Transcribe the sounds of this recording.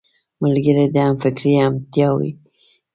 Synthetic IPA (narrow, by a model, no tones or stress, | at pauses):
malɡəɾed̪əamfɪkɾiamt̪jɑwḭ